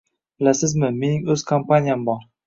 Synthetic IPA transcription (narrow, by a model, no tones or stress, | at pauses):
b̥ɪlasɪzmɪme̞nɪŋɵz̥kʰompanʲijambɒɾ